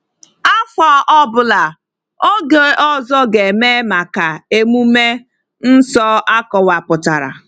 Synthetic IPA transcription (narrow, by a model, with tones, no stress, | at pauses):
a˦fɔ˦ʔɔ˦bʊ˨la˨ | o˦ɡe˨ʔɔ˦zɔ˦ɡe˨me˦ma˨ka˨e˦mu˦me˦ | n̩˦sɔ˦ʔa˦kɔ˨wa˨pʊ˨ta˨ɾa̰˨